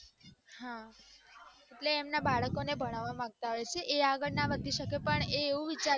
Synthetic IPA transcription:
hã | eʈleːmnabaɭəkonebʱəɽ̃aʋamãɡ̚t̪aɦojt͡ʃʰeʔeaɡəɭnaʋəd̪ʱiʃəkepəɳeːʋũʋit͡ʃa

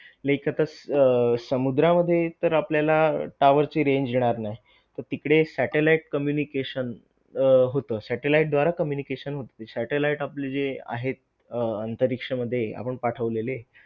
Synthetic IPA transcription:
ləɦikat̪a | səmud̪ɾaməd̪ʱːjet̪əɾapljalaʈaʋəɾt͡siːɾeɲd͡ʑeɽ̃aɾnaɦj | t̪əɾt̪ikɽesæʈelaiʈ̚kəmjunikeɕən | ɦot̪əːsæʈelaiʈ̚d̪ʋaɾakəmjunikeɕənɦot̪ət̪esæʈelaiʈapled͡zea̰ɦet̪̚ | ənt̪əɾikʂəməd̪ʱːjea̰pəɳpaʈʰəʋlele

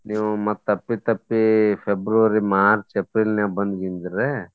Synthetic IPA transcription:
niːʋumɐt̪ːɐpːit̪ɐpːipʰebɾuʋɐɾimaːɾt͡ʃepɾilneabɐnd̪ɡind̪ɾe

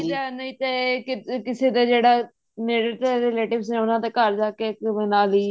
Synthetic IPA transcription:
lɛːnəĩːt̪ɛkɪkɪseːd̪aːd͡ʒeːɽaː | meːɽəʈ̪ːɾeːleːʈɪbsnɛ̃ːʊnãːd̪aːkəɾd͡ʒaːkeːkːnaːliː

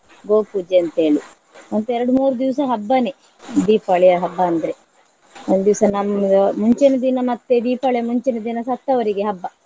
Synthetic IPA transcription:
ɡoːpuːd͡ʒeɐnt̪e̞ːɭi | ont̪uɛɾɐɽumuːɾud̪iʋsɐɦɐbːɐne | d̪iːpɐɭeɐɦɐbːɐɐnd̪ɐɾe | ond̪ud̪iʋsɐnɐmɐmuɲt͡ʃenɐd̪inɐmɐt̪ːed̪iːpɐɭemuɲt͡ʃenɐd̪inɐsɐt̪ːɐʋɐɾiɡeɦɐbːɐ

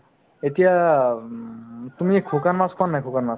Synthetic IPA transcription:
etija | tumikʰukanmaskanajkʰukanmas

